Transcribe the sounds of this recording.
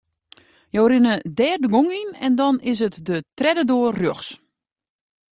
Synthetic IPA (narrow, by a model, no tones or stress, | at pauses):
joːɾɪnədɛːrdəɡoŋinɛ̰ndɔnɪs̬ɦətdətrɛdədoərrjoxs